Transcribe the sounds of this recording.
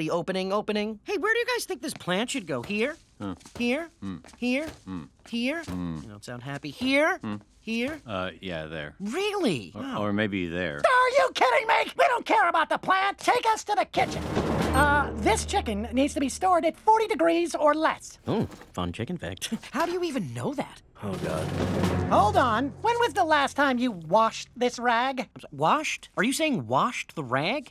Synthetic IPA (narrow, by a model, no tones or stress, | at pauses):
ðioʊpɨnɪ̃ŋoʊpɨnɪ̃ŋheɪwə˞ɾɨjɨɡaɪz̥θɪ̃ŋk̚ðɪspʰl̥æ̃ntʃɨd̚ɡoʊhiɹ | hiɹhiɹhiɹjɨ̰nõ̰ʊtsãʊ̃nd̚ɦæpihiɹ | hiɹʌ̰jæ̰ðə̰˞ɹɪlˠḭə˞meɪbḭðə̰˞ə˞jɨkʰɪɾɪ̃ŋmeɪkwiɾõʊ̃nkʰɛɹəbaʊt̪̚ðəpʰl̥æ̃ntʰeɪkʌstʰɨðɨkʰɪt͡ʃɨ̃n | ðɪst͡ʃʰɪkɨ̃nːidz̥tʰɨbistɔɹɾɨtfɔɹɾidɨɡɹizə˞lɛsoʊfʌ̰̃nt͡ʃʰɪkɨ̃n̩fæ̰k̚thaʊɾɨjɨivɨ̃nːo̰ʊðæ̰t̚ | oʊɡɑ̰d̥̚hoʊlˠdn̩wə̃nwɨðəlæstʰãɪ̃mjɨwɑʃðɪsɹæɡ̃mwɑʃtə˞jɨseɪɪ̃ŋwɑʃðəɹæɡ